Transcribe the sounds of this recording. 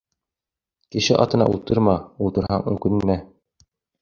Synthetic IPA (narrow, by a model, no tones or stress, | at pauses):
kɘ̆ʃɘʔɑ̰t̪ɤ̆nɑ̰ʔulˠt̪ɤɾmɑulˠt̪ɤ̆ɾhɑŋɵ̰kɵ̆nmæ